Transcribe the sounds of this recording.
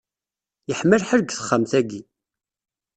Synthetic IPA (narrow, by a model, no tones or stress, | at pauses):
jəħməlħəɾɡθə̥χːəmθæɡi